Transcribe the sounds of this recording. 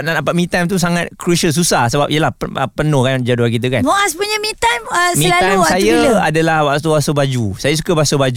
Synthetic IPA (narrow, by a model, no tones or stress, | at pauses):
nadapaʔ̚mĩt̪amt̪̬us̬aŋat̪̚kɾusəls̬usahsəba̰p̚iəlapəəpənohkad͡ʒaduakit̪̬ukanmoaspuɲəmĩt̪aməmilaamsajaadalahbaʔt̪ubasəbad͡ʒusajas̬u̥kabasəbad͡ʒu